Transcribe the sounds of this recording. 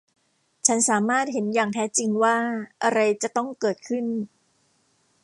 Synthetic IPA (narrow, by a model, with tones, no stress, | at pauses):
t͡ɕʰa˦˥nsaː˩˦maː˥˩t̪̚he˩˦njaː˨˩ŋt̪ʰɛː˦˥t͡ɕi˧ŋwaː˥˩ʔa˧ɾa˧jt͡ɕa˨˩t̪ɔ˥˩ŋkɤː˨˩t̪̚kʰɯ˥˩n